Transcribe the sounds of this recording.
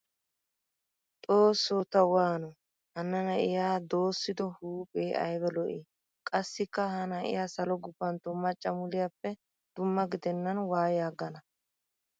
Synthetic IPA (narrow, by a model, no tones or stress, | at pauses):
t̪ʼoːsːoːt̪ːɐwaːnɔ | hɐnɐnɐʔɪjaːd̪o̞ːsːɪd̪ɔhuːpʼeːʔɐ̰jbɛlɔʔiː | kʼɐsːɪkːɐhɐnɐʔɪ̰jaːsɐlɔɡʊbːɐnt̪ɔmːɐt͡ʃʼːɐmʊlɪjapːɛ | d̪̥ʊmːɐɡɪd̪ɛnːɐnwaːjjaːɡɐnɐ